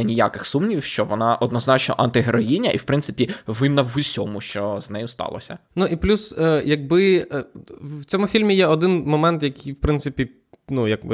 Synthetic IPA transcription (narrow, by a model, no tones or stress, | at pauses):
ɐnʲija̰kɪxsumnʲiʋʲiwʃt͡ʃɔʋɔnɑʔɔd̪nɔznɑt͡ʃnɔʔɐnt̪ɪɦɾɔjinʲːɐʔiwpɾɪnsɪpʲiʋɪnɐʋʊsʲɔmʊʃt͡ʃɔznɛjʊst̪ɑ̰lˠɔ̰sʲɐ̰nuʔiplʲusəjɐɡ̚bɪ | wt͡sʲɔmʊfʲilʲmʲijɛɔd̪ɪnmɔmɛnt̪jɐkijwpɾɪnt̪sɪpʲi | nujɐɡbɪ